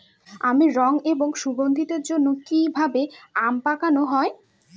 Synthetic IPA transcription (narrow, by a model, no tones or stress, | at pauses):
amiɾɔŋeboŋʃubond̪ʱit̪eɾd͡ʑonːokibʱabeampakanoɦɔe